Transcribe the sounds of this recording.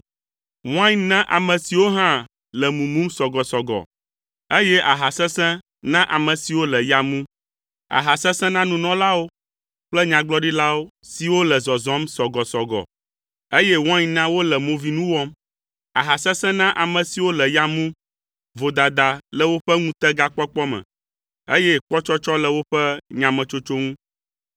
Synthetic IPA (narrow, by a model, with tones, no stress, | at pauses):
w̃ã˦ɲnã˦ʔa̰˨mɛ̃˨si˨wo˦ɦã˦ | lɛ˨mũ˨mũ˦msɔ˨ɡɔ˨sɔ˨ɡɔ̰˨ | e˦jɛ˦ʔa˨ɦa˨sɛ̃˦sɛ̃˦ | nã˦ʔa˨mɛ̃˨si˨wo˦lɛ˨ja˨mũ˦ | a̰˨ɦa˨sɛ̃˦sɛ̃˦nã˦nũ˨nɔ̃˦la˦wo˦ | k͡plɛ˦ɲã˨ɡ͡blɔ˦ɖi˦la˦wo˦si˨wo˦lɛ˨zɔ˨zɔ̃˨˦msɔ˨ɡɔ˨sɔ˨ɡɔ̰˨ | e˦jɛ˦wɔ̃˦ɲĩ˨nã˦wo˦lɛ˨mõ˨vi˨nũ˦wɔ˦m | a̰˨ɦa˨sɛ̃˦sɛ̃˦nã˦ʔa˨mɛ̃˨si˨wo˦lɛ˨ja˨mũ˦ | vo˨d̪a˨d̪a˨lɛ˨wo˦ɸɛ˦ŋũ˦t̪ɛ˦ɡa˦k͡pɔ˦k͡pɔ˦mɛ̰̃˨ | e˦jɛ˦k͡pɔ˦t͡ʃɔ˦t͡ʃɔ˦lɛ˨wo˦ɸɛ˦ɲã˨mɛ̃˨t͡ʃo˦t͡ʃo˦ŋũ˦